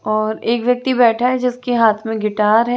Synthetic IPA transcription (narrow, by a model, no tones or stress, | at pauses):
ɔːɾeːkʋjɐk̚t̪ibɛːʈʰaɦɛd͡ʒɪskeɦaːt̪ʰmẽɡɪʈaːɾɦɛː